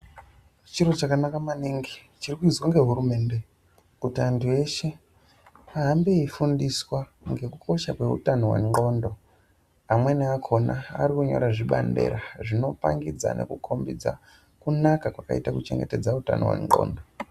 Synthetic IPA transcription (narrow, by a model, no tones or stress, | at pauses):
t͡ʃiɾot͡ʃakanakamaniŋɡit͡ʃirikuizwaŋɡe̞ɦuɾume̞ːnde̞ | kutiantʰue̞ʃe̞ | aɦambeifundiswa | ŋɡe̞kukʰo̞ʃakwe̞ṵtanowḛŋɡo̞ndo̞ | amwe̞neakʰo̞na̰ːrikuɲo̞̰ɾaʐiɓa̰nde̞̰ɾaʐino̞pa̰ŋɡid͡za̰ne̞̰kukʰo̞mbid͡za̰ | kunakakwaka̰itakut͡ʃe̞ŋɡe̞te̞d͡zauta̰no̰wḛŋɡo̞̰ːndo̞